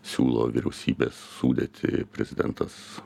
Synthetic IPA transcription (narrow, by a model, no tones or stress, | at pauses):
sʲuːlˠoːʋʲiɾʲɛʊsʲiːbʲesːuːd̪ʲet̪ʲʰɪ̰pʲɾʲɛzʲɪd̪ʲɛnt̪ɐs